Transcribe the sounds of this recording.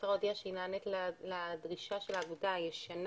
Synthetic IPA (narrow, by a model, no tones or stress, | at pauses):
tʁod̪iaʃeinaːnetlledʁiʃaʃelaːɡudajeʃan